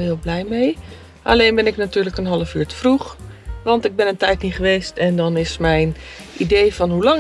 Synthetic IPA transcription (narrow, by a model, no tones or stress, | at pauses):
ɦɪːlˠblɛjmej | ʔa̰lejnbɛnɪknatyːɹləkənɦɑləfyːɹtə̥fruχʋɑntɪɡ̚bɪnəntɛjtniχəʋejstɛndɑnɪsmɛjnʔidejfɑnɦulɑŋ